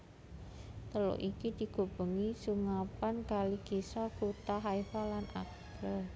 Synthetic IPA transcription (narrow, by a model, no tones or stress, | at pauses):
t̪əlo̰ʔikid̪̥i̤ɡ̥o̤b̥ə̤ŋisuŋapankalikisɔkut̪aɦaifalanʔa̰k | ə